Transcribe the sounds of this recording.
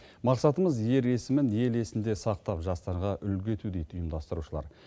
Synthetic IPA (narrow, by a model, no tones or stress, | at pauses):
mɑqsɑt̪əməzje̞ɾe̞sɪmɪnje̞le̞sɪnd̪e̞sɑq̚t̪ɑpʒɑst̪ɑɾʁɑʔʏlɡʲe̞t̪ʰud̪ejt̪ʊjəmd̪ɑst̪əɾuʃəlˠɑ̰ɾ